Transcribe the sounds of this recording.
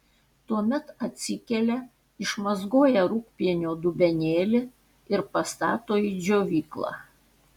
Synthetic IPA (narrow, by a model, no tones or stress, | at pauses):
t̪uɔmʲɛt̪ɐt̪ʲsʲɪkʲɛlʲɛ | ɪʃmɐzɡoːjɛɾʊkpʲiɛnʲoːd̪ʊbʲɛnʲeːlʲɪ | ɪɾpɐst̪ɑ̰ːt̪oːid͡ʒʲoːʋʲiːklˠɑ̰ː